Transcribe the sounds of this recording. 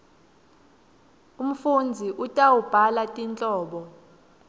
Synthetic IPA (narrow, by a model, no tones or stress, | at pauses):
um̩fund͡zʱiʔutʼawub̥ʱalatʼint͡ɬʼɔːɓɔ